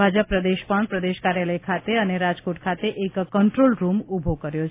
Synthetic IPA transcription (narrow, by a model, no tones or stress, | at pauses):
ad͡ʒəpːɾəd̪eʃpəɳpɾəd̪eʃkaɾjaləjkʰat̪eəneɾad͡ʒkoʈ̚kʰat̪eʔekːəɳʈɾolɾumubʱokəɾjot͡ʃʰ